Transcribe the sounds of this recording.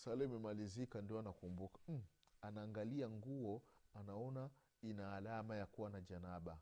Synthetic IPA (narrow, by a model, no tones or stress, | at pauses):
salɛimɛmalizikandiɔanakumbukḁm̩ | anaːŋɡaliaŋɡuɔanaɔna | inaːlamajakuwanaʄanaɓa